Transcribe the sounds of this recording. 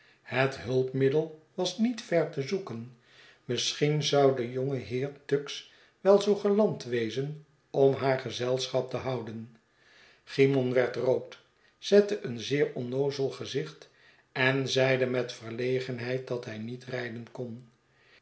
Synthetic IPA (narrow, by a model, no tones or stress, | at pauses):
hətɦɵlˠpmɪdəlˠʋɑsnitfɛɹtəzukən | məsχinzɑwdəjoŋəɦɪːɹtøks | ʋɛlˠzowχəlɑntʋejzən | ɔmɦaːɹχəzɛlˠsχɑp̚təɦɑwdən | χimɔnʋɛɹtrowt | z̥ɛtəʔənzɪːɹɔnowzəlˠχəzɪχt | ɛnzɛjdəmɛtfərlejχənɦɛjt̚dɑtɦɛjnitrɛjdənkɔn